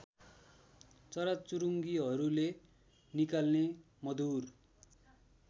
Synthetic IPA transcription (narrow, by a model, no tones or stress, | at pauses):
t͡sʌɾat̚t͡suɾuŋɡiɦʌɾule | nikalne | mʌd̪ur